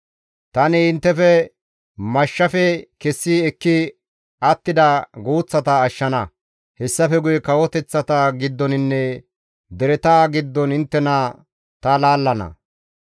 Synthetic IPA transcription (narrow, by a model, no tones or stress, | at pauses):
t̪ɐnɪɪnt̪ːɛfɛ | mɐʃːɐfɛkɛsːiɛkːɪ | ʔɐt̪ːɪd̪ɐɡuːt͡sːɐt̪ɐːʃːɐnɐ | hɛsːɐfɛɡʊjɛkɐwɔt̪ɛt͡sːɐt̪ɐɡɪd̪ːɔnɪnːɛ | d̪ɛɾɛt̪aːɡɪd̪ːɔnɪnt̪ːɛnɐ | t̪ɐlaːlːɐnɐ̰